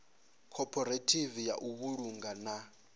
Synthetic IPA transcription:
kʰɔpʰʼɔɾetʰʼivijaʔuβuɺuŋɡana

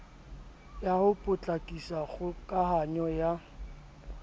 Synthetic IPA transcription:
jahʊpʼʊt͡ɬʼakʼisaɣʊkʼaɦaɲɔja

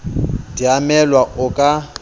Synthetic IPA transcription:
diamɛlwaʔʊkʼa

